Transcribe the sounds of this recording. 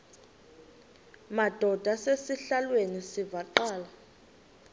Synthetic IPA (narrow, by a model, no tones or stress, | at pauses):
mad̥ʱɔd̥ʱasesiɬalwenisivaǃaːla